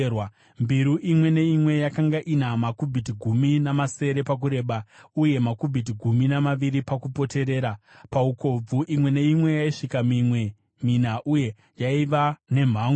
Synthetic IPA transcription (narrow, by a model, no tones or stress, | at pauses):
wa | mbiɾuʔimwe̞ne̞imwe̞jakaŋɡaʔinamakubʱitiɡʱuminamase̞ɾe̞pak̬uɾe̞ːɓauje̞makubʱit̬iɡʱuminamaʋiɾipakupo̞te̞ɾe̞ːɾapaukʰo̞b͡vuʔimwe̞ne̞imwe̞jaiʂikamiwe | minaʔuje̞ | jaiʋane̞m̤aːŋ